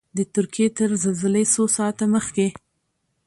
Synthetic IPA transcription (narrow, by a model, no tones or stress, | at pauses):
d̪ət̪ʊɾkijet̪əɾzalzalesosɑt̪aməxke